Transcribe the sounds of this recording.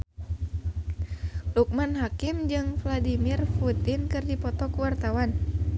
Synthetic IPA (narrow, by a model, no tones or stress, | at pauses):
luk̚manɦakimd͡ʒɨŋfladimirfut̪inkɨrdipɔt̪ɔkuwart̪awan